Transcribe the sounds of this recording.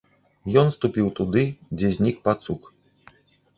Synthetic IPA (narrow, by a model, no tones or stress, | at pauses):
jɔnst̪upʲiwt̪ud̪ɨd͡zʲɛzʲnʲik̚pat̪suk